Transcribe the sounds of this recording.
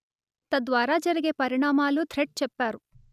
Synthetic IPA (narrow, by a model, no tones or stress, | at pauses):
t̪ɐd̪ʋaːɾaːd͡ʒɐɾiɡepɐɾiɳaːmaːlːut̪ʰɾeʈ̚t͡ʃɛpːaːɾu